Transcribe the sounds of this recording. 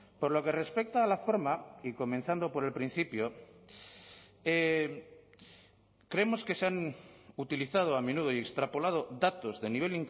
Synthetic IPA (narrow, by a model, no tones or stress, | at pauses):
po̞ɾlo̞ke̞re̞spek̚t̪aːlafo̞ɾmaiko̞mẽ̞nθand̪o̞po̞ɾe̞lpɾin̟θipjo̞ | e | kɾe̞emo̞ske̞seanut̪iliθað̞oame̞nuð̞o̞je̞kst̪ɾapo̞lað̞oðat̪o̞zðe̞niβ̞e̞liŋk